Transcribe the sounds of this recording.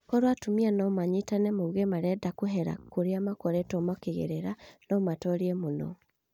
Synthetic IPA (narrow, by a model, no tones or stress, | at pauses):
kɔɾwatumianɔmaɲitanɛmoːŋɡemaɾɛdakoɦɛɾa̰koɾeamakɔɾɛtɔmɔkeɣḛɾeɾanɔmatɔɾiɛmonɔ̰